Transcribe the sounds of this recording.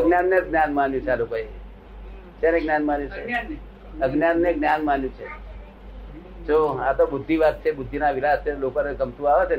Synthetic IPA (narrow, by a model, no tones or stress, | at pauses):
əɡnjanːeɡnjanmanjũt͡ʃʰealokoe | t͡ʃjaneɡnjanmanjũt͡ʃʰe | əɡnjanːeɡnjanmanjũt͡ʃʰe | d͡ʒoat̪obʊd̪ʱːiʋat̪̚t͡ʃʰebʊd̪ʱːinaʋilast͡ʃʰelokonekəmt̪ũaʋet͡ʃʰen